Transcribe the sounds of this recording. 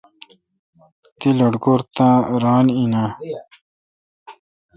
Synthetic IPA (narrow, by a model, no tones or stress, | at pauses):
t̪iloɖɡoɾt̪ãɾaːnina